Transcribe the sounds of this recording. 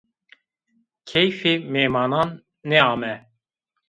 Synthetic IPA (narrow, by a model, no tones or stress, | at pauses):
kʰɛjfiːmeːmɑːnɑːnː | ɛɑːmɛ